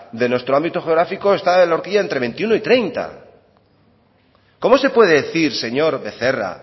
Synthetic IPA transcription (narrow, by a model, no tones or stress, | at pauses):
d̪e̞nwe̞st̪ɾoambit̪o̞xeoɾafiko̞e̞st̪aeloɾkiʝae̞nt̪ɾe̞βe̞nt̪iuno̞it̪ɾe̞jnt̪a̰ | ko̞mo̞se̞pwe̞ðeðeθiɾse̞ɲo̞ɾβe̞θe̞ra̰